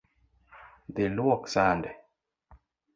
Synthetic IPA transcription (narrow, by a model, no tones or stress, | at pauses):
d̪enuwɔksandɛ